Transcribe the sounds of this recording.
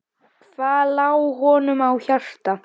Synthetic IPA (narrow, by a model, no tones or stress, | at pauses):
kʰvaːlaːwɦɔːnʏmawçar̥t̪a